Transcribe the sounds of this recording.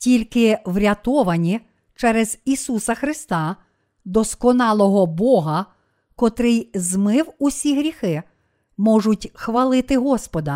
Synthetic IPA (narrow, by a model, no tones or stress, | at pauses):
tʲilʲkɪwɾʲɐt̪ɔʋɐnʲi | t͡ʃɛɾɛz̥isusɐxɾɪst̪ɑ | d̪ɔskɔnɑlˠɔɦɔbɔɦɐ | kɔt̪ɾɪjzmɪwusʲiɦɾʲixɪ | mɔʐʊtʲxʋɐlˠɪt̪ɪɦɔspɔd̪ɐ